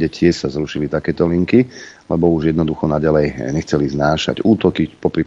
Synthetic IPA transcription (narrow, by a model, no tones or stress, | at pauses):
ɛcʰɪɛʃsazɾuʃilit̪akɛːt̪ɔliŋki | lɛbɔuʒjɛd̪nɔd̪uxɔnaɟalɛjɲɛxt͡sɛliznaːʃa̰ɟuːt̪ɔkipɔpɾi